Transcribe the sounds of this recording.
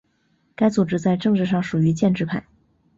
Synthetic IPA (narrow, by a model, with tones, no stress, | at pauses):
ka˥ɪt͡su˨˩ʈ͡ʂɻ̩˥t͡sa˥˧ɪʈ͡ʂɤ˥˧ŋʈ͡ʂɻ̩˥˧ʂ̬ɑ˥˩ŋʂu˨˩y˧˥t͡ɕjɛ˥˧nʈ͡ʂɻ̩˥˧pʰa˥˩ɪ